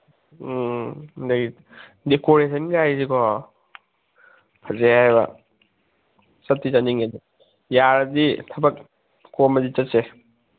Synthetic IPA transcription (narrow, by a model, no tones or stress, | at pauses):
dɐɡi | dekoɾesʰɐnɡajzikʰɔ | pʰɐzehajbɐ̰ | sɐt̚ːit͡ʃaniŋedi | jaɾɐditʰɐbɐk̚ | komɐdit͡ʃɐt̚se